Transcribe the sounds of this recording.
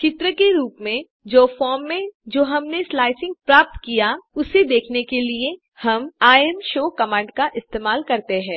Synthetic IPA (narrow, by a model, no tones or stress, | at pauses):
kɪt̪ɾəkeɾuːpmẽ | d͡ʒoːfɔːɾmːẽd͡ʒoːɦɐmneslaːɪsɪ̃ŋɡ̚pɾaːp̚t̪kijaʊsed̪eːkʰnekelie | hɐmaːɛmʃoːkɐmãːɳɖkaʔɪst̪eːmaːlkɐɾt̪eɦɛ̃ː